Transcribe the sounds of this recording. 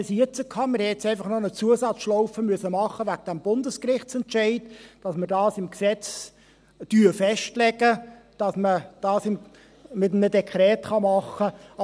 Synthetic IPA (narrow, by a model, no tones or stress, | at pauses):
sit͡səkʰɑːmɪɾhɛɛt͡sɛɪfɑχnɔnət͡suəsɑt͡sʃlɔʊfəmyəsəmɑχəvæɡ̚d̥æmbʊndəskrɪχt͡sɛntt͡ʃɛɪdd̥ɑsməɾdɑːsɪmksɛt͡s | tyːfɛʃtlɛɡəd̥ɑsməd̥ɑːsɪm | mɪtnədɛkʰχɾɛːtχɑmɑχə